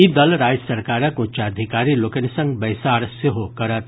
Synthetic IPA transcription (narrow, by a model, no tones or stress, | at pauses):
id̪ɐlɾaːjsɐɾkaːɾãkũt͡ʃad̪ʱikaːɾilokənisɐ̃ŋɡbɐjsaːɾseɦokɐɾət̪